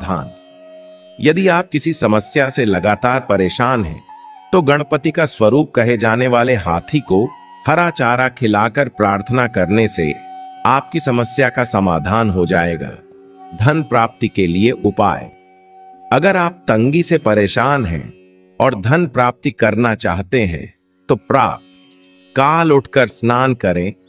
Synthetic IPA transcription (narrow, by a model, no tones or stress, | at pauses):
d̪ʱa̰ːn | jɐd̪iaːp̚kɪsisɐməsjaselɐɡaːt̪aːɾpɐɾeːʃaːnɦɛ̰̃ːt̪oɡɐɽ̃pət̪ikaswɐɾuːp̚kɐɦed͡ʒaːneʋaːleɦaːt̪ʰiko | hɐɾaːt͡ʃaːɾakʰɪlaːkəɾpɾaːɾt̪ʰənakɐɾnesḛaːp̚kisɐməsjakasɐmaːd̪ʱaːnɦod͡ʒa̰ːḛːɡa̰ː | d̪ʱɐnpɾaːp̚t̪ikelieʔʊpa̰ːḛː | ɐɡəɾaːp̚t̪ɐ̃ŋɡisepɐɾeːʃaːnɦɛ̰̃ | ɔːɾd̪ʱɐnpɾaːp̚t̪ikɐɾnat͡ʃa̰ːɦt̪eɦɛ̰̃ | t̪opɾa̰ːp̚t̪ | kaːlʊʈʰkəɾsnaːnkɐɾẽː